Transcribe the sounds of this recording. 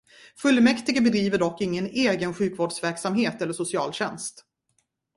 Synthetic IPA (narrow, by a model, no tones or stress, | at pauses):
fɵlːmɛkt̪ɪɡəbɛd̪ɾiːvəɖɔkːɪŋːəneːɡənɧʉ̟ːkvoːɖʂvæɾksamheːt̪ɛlːəʂʊsɪɑ̰ːlɕɛnst̪